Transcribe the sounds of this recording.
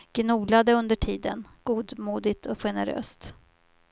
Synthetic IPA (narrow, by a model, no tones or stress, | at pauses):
ɡ̥nuːlad̪əɵnd̪əʈʰiːd̪ə̰nɡ̥uːd̪muːd̪ɪt̪ʰɔɧɛnəɾø̰ːst̪